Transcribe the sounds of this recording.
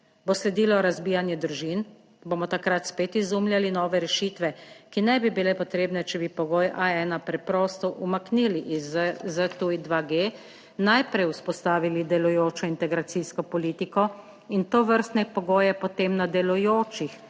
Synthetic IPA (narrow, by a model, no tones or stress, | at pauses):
boslɛd̪iːlɔɾazbiːjanjɛd̪ɾuʒin | boːmɔt̪akɾat̪speːt̪izumljalinɔːʋɛɾɛʃiːt̪ʋɛkinɛbibilɛpɔt̪ɾeːbnɛt͡ʃɛbipɔɡoːjʔaɛːnapɾɛpɾɔːst̪ɔʔumakniːliʔzzət̪uid̪ʋaɡe | najpɾɛjuspɔst̪aːʋilid̪ɛlujoːt͡ʃɔint̪ɛɡɾat̪siskɔpɔliːt̪ikɔ | int̪oːʋəɾst̪nɛpɔɡoːjɛpɔt̪emnad̪ɛlujoːt͡ʃix